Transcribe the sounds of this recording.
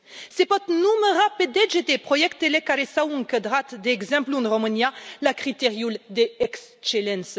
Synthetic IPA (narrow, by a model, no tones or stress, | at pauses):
sepɔt̪numəʁaped̪eʒet̪epχɔjɛkt̪ːelekaɾesaũŋkəd̪ʁat̪d̪ɛɡzɛ̃mplũnʁɔmanjalakʁit̪eʁjuld̪eɛkst͡ʃelɛ̃ns